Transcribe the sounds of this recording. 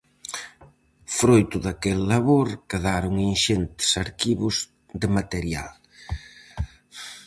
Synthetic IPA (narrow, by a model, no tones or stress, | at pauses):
fɾojt̪ʊðakelːaβoɾkeðaɾʊŋinʃent̪ɪ̥saɾkiβʊz | d̪ɪmat̪eɾja̰l